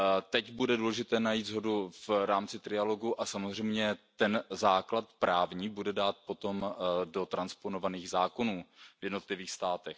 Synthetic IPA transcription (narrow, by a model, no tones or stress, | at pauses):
t̪ɛcbudɛduːlɛʒɪt̪ɛːnajiːt̪zɦo̞duvɾaːmt͡sɪt̪ɾɪalo̞ɡuʔasamozr̝ɛjmɲɛt̪ɛnzaːklat̪pɾaːvɲiːbudɛdaːt̪̚po̞t̪o̞mdo̞t̪ɾanspo̞no̞vaniːɣzaːko̞nuːvjɛdno̞t̪lɪviːxst̪aːt̪ɛx